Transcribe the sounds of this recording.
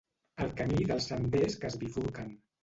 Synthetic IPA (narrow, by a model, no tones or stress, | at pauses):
əlˠkəmiðəlˠsəmdeskəzβitukən